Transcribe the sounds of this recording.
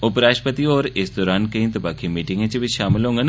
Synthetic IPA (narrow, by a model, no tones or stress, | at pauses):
ʊpɾaːʃʈpət̪iɔːɾɪsd̪ɔːɾaːnkɐĩnt̪ɐbaːkʰimiːʈɪ̃ŋɡẽt͡ʃebʱiʃaːmɪlɦõːŋɡan